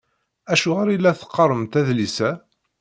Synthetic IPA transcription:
æʃuʁaɾilːæθə̥qːɑɾˤəmt̪æðlisæ

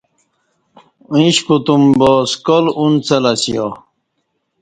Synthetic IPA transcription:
ĩɕkut̪umboːskolunt͡sɐlɐsija

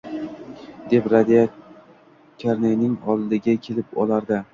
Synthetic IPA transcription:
d̪e̞pɾad̪ija | kʲʰaɾnajnɪŋɒlˠːɪɡʲakʲʰelɪpɒ̰laɾd̪a

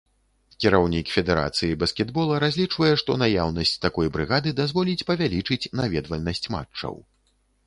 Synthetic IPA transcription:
kʲiɾawnʲikfʲɛd̪ɛɾa̰t̪sɨjibɐskʲɛd̪bɔlˠɐɾazʲlʲit͡ʂvɐjɛʂt̪ɔnajawnɐsʲt͡sʲt̪akɔjbɾɨɣad̪ɨd̪azvɔlʲit͡sʲpɐvʲalʲit͡ʂɨt͡sʲnavʲɛd̪vɐlʲnɐsʲt͡sʲma̰t͡ʂːɐ̰w

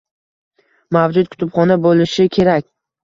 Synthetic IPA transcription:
mavd͡ʒʊt̪̚kʰʊ̥t̪ʊpχɒnabolɪʃɪkʲʰe̞ɾakʲ

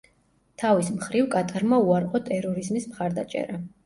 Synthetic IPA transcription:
t̪ʰavismχɾivkʼat̪ʼaɾmauaɾqʼɔt̪ʼɛɾɔɾizmismχaɾd̪at͡ʃʼɛ̰ɾa

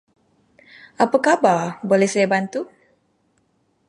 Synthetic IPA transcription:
ʔapakababolɛhsajabant̪u

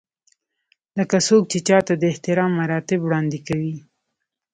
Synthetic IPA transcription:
ləkasok̚t͡ʃet͡ʃɑt̪ad̪əɪht̪ɪɾɑmːaɾɑt̪ɪbwɽɑnd̪ɪkawi

